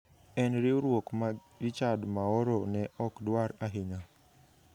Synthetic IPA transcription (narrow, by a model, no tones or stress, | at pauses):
ɛnɾɪoɾwokma | ɾit͡ʃadmaɔɾonɛʔɔkdwaɾaɦɪɲa